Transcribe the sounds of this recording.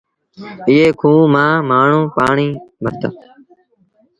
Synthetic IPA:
ɪːeːkʰũːmãːmaːɳ̤ũːpaːɳiːbʱəɾt̪a̰

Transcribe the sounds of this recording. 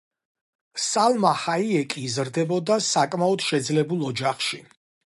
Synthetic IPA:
salˠmahaiɛkʼiːzɾd̪ɛbɔd̪asakʼmaɔd̪ʃɛd̪zlɛbulˠɔd͡ʒaχʃi

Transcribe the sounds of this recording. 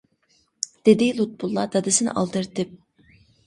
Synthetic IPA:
d̪̥ed̪ɪlˠut̪̚bulˠːɑd̪̥ɑd̪ɨsɨnɨ̰ʔɑ̰lˠd̪ɯɾt̪ɨp̚

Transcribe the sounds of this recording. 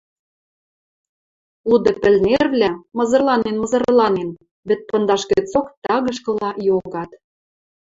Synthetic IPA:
lud̪ĕpɘ̆lnerβlʲæmɤ̆zɤ̆rlɑnenmɤ̆zɤ̆rlɑnen | βĕt̪̚pɤ̆nd̪ɑʃɣĕt͡sokt̪ɑɣɤ̆ʃ̬kɤ̆lɑjoɣɑt̪

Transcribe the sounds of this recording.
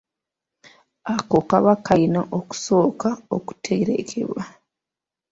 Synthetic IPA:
ako̞kaβakainaʔoku̥so̞ːkao̰ku̥tʰeɾe̞̰kʰḛβwa

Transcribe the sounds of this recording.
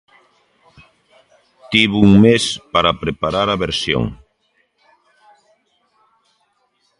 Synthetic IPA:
t̪iβuŋmespaɾapɾepaɾaɾɐβeɾsjo̰ŋ

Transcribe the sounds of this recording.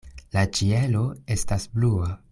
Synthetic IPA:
lat͡ʃie̞lo̞e̞stasblua

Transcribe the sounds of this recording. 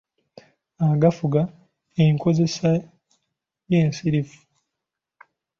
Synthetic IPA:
aɡafuɡa | eŋkʰo̞ze̞sa | jeːnsiɾifu̥

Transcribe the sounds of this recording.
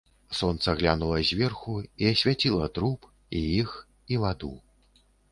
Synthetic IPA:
sɔnt̪sɐɣlʲanulˠɐzʲvʲɛrxuiɐsʲvʲat͡sʲilˠɐt̪ɾup | ijix | ivad̪u

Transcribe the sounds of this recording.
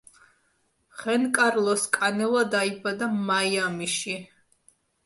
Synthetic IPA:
χɛnkʼaɾlˠɔskʼanɛvad̪aibad̪amajamiʃi

